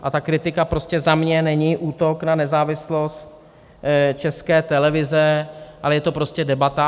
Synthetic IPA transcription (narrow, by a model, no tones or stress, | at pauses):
ʔat̪akɾɪt̪ɪkapɾo̞scɛzamɲɛnɛɲiʔuːt̪oknanɛzaːvɪslost̪ | t͡ʃɛskɛːt̪ɛlɛvɪzɛʔalɛjɛt̪o̞pɾo̞scɛdɛbat̪a